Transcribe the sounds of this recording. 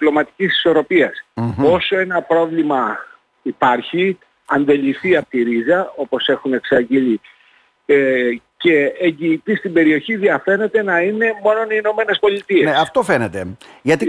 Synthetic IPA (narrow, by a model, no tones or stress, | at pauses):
plo̞mɐt̪i̥cisi̥so̞ɾo̞piɐso̞so̞e̞nɐpɾo̞vlimɐ | ipɐɾçi | ɐnd̪e̞liθiɐpot̪iɾizɐo̞po̞se̞xune̞ksɐɟili | ce̞eɲɟiːt̪ist̪imbe̞ɾio̞çiðiɐfe̞ne̞t̪e̞nɐine̞mo̞no̞niːno̞me̞ne̞spo̞lit̪iesɐft̪ofenet̪eʝɐt̪i